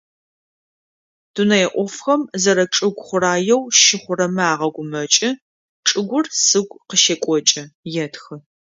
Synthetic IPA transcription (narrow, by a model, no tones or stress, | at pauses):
d̥unɐjɛʔʷɔfxɐmzɐɾɐʈ͡ʂʼɨɡʷχʷʊraːjɛwʃɪχʷʊrɐmaːʁɐɡʷʊmɐt͡ʃʼɪ | ʈ͡ʂʼɨɡʷʊrsɨɡʷqəʃekʷʼɔt͡ʃʼɐjɛtxɨ